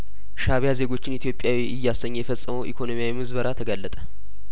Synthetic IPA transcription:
ʃaβjaze̞ɡo̞t͡ʃːɪnit̪ʰjo̞pʼjawiʔɪjːasːəɲːjɛfəsʼəməwʔikʰo̞nomijawimɨzβəɾʔat̪ʰəɡalːət̪ʼə

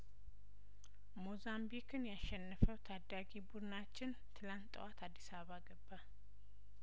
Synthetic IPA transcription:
mozambikɨnjaʃːɛnːɨfəwt̪ʰad̪aɡibud̪ɨnat͡ʃːɪn | t̪ʰɨlant̪ʼːəwat̪ʰad̪ːisaβaɡəbːa

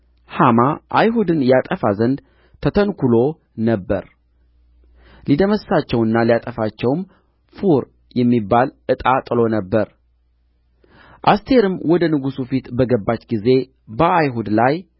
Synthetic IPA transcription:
hamaʔajɦud̪ɨnjat̪ʼəfazənd̪ | t̪ʰət̪ʰənkulo̞ | nəbːəɾ | lid̪əməssat͡ʃːɛwɨnːalijat̪ʼəfat͡ʃːɛwm | fuɾ | jɛmːibːalɨt̪ʼat̪ʼɨlo̞nəbːəɾ | ʔast̪ʰe̞ɾɨmwɔd̪ənɨɡusufit̪bəɡəbːat͡ʃːɡize̞ | bəajɦud̪laj

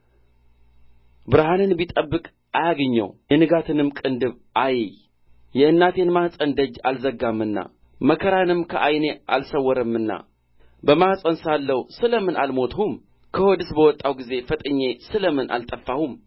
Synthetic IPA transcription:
bɨɾhanɨnbit̪ʼəbːɨkʼ | ajaɡəɲːə̰wjɛnɨɡat̪ʰɨnɨmkʼɨnd̪ɨβ | ʔajɛj | jɛʔɨnːat̪ʰe̞nmahsʼənd̪əd͡ʒːalzəɡːamːɨnːa̰ | məkʰəɾanɨmkʰəʔajne̞ʔa̰lsəwːɔɾəmːɨnːa̰ | bəmahsʼənsalːəwsɨləmɨnʔalmo̞t̪ʰhum | kʰəhod̪ɨsbəwɔt̪ʼːawɡize̞fət̪ʼɨɲːe̞sɨləmɨnʔa̰lt̪ʼəfːahum

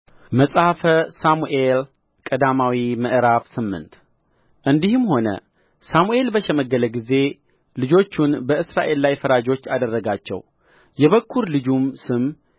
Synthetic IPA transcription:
məsʼhafəsamuʔe̞l | kʼəd̪amawiməʔɾafsɨmːɨ̰nt̪ | ʔɨnd̪ihɨmho̞nə̰ | samuʔe̞lbəʃɛməɡːələɡize̞ | lɨd͡ʒo̞t͡ʃːunbəɨsɾaʔe̞lːajfəɾad͡ʒo̞t͡ʃːad̪ərːəɡat͡ʃːɛ̰w | jɛβəkʰːuɾlɨd͡ʒumsɨm

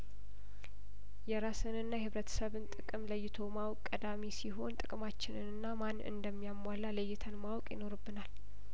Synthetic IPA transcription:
jɛɾasɨnɨnːajhɨβɾət̪ʰə̥səβɨnt̪ʼɨkʼɨmləjːɪt̪ʰo̞mawkʼkʼːəd̪amisiɦo̞nt̪ʼɨkʼɨmat͡ʃːɪnɨnɨnːamanːɨ̰nd̪əmːijamːalːalɨjːɪt̪ʰənmawkʼjɪno̞ɾɨbːɨnal

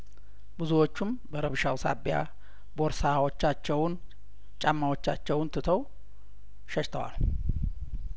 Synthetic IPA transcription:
bɨzuwot͡ʃːumbəɾəβʃawsa̰bja̰ | bo̞ɾsawot͡ʃːat͡ʃːɛwn | t͡ʃʼamːawo̞t͡ʃːat͡ʃːɛwɨnt̪ʰɨt̪ʰəw | ʃɛʃt̪ʰəwa̰l

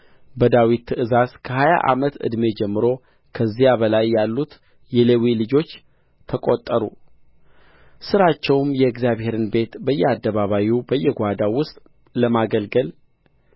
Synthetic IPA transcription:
bəd̪awit̪ʰːɨʔɨzazkʰəɦaja̰ʔa̰mət̪ɨ̰d̪me̞d͡ʒɛmːɨɾo̞ | kʰəzːijabəlajːalːut̪ | jɛlewilɨd͡ʒo̞t͡ʃː | t̪ʰəkʼot̪ʼːəɾṵ | sɨɾat͡ʃːɛwmjɛɡzijaβhe̞ɾɨnbe̞t̪bəjːɛad̪ːəβaβawubəjːɛɡʷad̪awʊst̪ʼ | ləmaɡəlɡəl

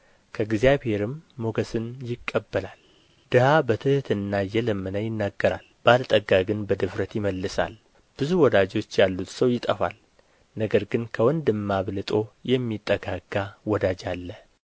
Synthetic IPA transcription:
kʰəɡzjaβhe̞ɾɨmːoɡəsɨnjɪkʼːəbːəlal | d̪̥ɨhabət̪ʰɨht̪ɨnːajɛləmːɨnəjɪnːaɡːəɾa̰lb̥alt̪ʼəɡaɡɨnbəd̪ɨfɾət̪jɪməlːɨsa̰l | b̥ɨzuwɔd̪ad͡ʒo̞t͡ʃːjalːut̪səwjɪt̪ʼəfa̰l | nəɡəɾɡɨnkʰəwɔnd̪ɨmːaβlɨt̪ʼo̞jɛmːit̪ʼːəɡaɡ̥ːawɔd̪ad͡ʒalːə

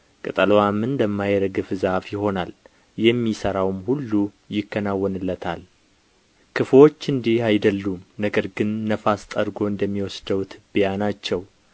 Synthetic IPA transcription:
kʼɨt̪ʼəlwamɨnd̪əmːajɾəɡɨfzafjɪho̞nal | jɛmːisəɾawmhulːu | jɪkːənawːɔnɨlːət̪ʰal | kʰɨflo̞t͡ʃːɨnd̪ihajd̪əlːumnəɡəɾɡɨnːəfast̪ʼəɾɡo̞ɨnd̪əmːiwɔsd̪əwt̪ʰɨbijanat͡ʃːɛw

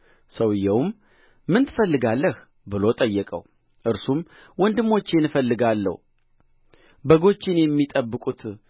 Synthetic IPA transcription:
səwɨjːɛwmː | ɨnt̪ʰɨfəlːɨɡalːəh | bɨlo̞t̪ʼəjːɛkʼə̰w | ʔɨɾsum | wɔnd̪ɨmːo̞t͡ʃːenɨfəlːɨɡalːə̰h | bəɡo̞t͡ʃːɪnjɛmːit̪ʼəbːɨkʼut̪

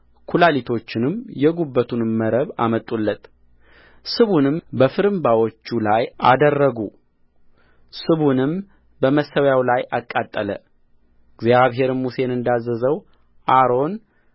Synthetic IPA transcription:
kʰulalit̪ʰo̞t͡ʃːɪnɨmjɛɡubːət̪ʰunməɾəβa̰mət̪ʼulːət̪ | sɨβunɨmbəfɨɾɨmbawot͡ʃːulajʔa̰d̪ərːəɡu | sɨβunɨm | bəməsːəwjawlajʔakʼːat̪ʼːələ̰ | ɡzjaβɦe̞ɾɨmmuse̞nɨnd̪azːəzəw | ʔaɾo̞n

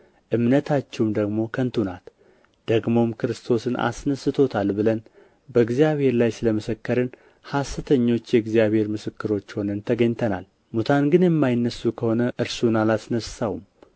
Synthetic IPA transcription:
ʔɨmnət̪ʰat͡ʃːɛwmd̪əɡmo̞kʰənt̪ʰunat̪ | d̪̥əɡmo̞mkʰɨɾɨst̪ʰo̞sɨna̰snəsɨt̪ʰo̞t̪ʰalbɨlən | bəɨɡzijaβhe̞ɾlajsɨləməsəkːəɾɨn | hasɨt̪ʰəɲːo̞t͡ʃːjɛɨɡzijaβhe̞ɾmɨsɨkːɨɾo̞t͡ʃːho̞nənt̪ʰəɡəɲt̪ʰəna̰l | mut̪ʰanɡɨnjɛmːajɪnːəsːukʰəho̞nəʔɨɾsunalasnəssawum

